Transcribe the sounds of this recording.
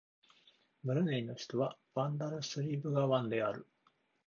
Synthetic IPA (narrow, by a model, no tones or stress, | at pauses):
mɯ̟ɾɯ̟neino̞çi̥t̪o̞βab̥ãnd̪aɾɯ̟sɨɾʲiːbɯ̟ɡaβãnd̪e̞aɾɯ̟